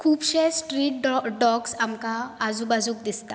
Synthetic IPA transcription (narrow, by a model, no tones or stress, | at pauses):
kʰuːpɕesʈɾiːʈɖɖɔksamkaːd͡zubad͡zuːk̚d̪ist̪a